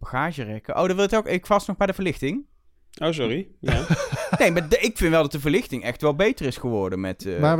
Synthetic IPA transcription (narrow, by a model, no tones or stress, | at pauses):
b̥aχaːʒərɛkəʔo̰wdɑʋɪlˠɪtowkɪkfɑsnɔχbɛjdəvəɹlɪxtɪŋ | ʔos̬ɔɾijanejmadɪkfɪntʋɛlˠdɑt̚dəvəɹlɪxtɪŋɛxtʋɛlˠbejtərɪsχəʋɔɹdənmɛta